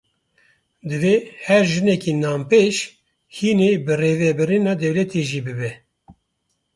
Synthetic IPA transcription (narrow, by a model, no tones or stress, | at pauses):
d̪ɨvehɛɾʒɨnɛkiːnɑːmpeːʃ | hiːneːbɨreːvɛbɨɾinɑːd̪ɛwlɛt̪ʰeːʒiːbɨbɛ